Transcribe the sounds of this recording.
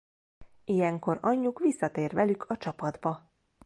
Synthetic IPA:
ijɛŋko̞ɾɒɲːukʋisːɒt̪eːrʋɛlykʰɒt͡ʃɒpɒd̪bɒ

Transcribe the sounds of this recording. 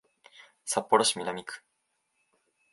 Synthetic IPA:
sapːoɾoɕimʲinamʲikɯ̥

